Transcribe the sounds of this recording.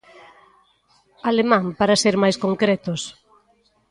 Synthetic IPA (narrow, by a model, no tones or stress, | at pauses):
alemãŋpaɾaseɾmajskoŋkɾɛt̪os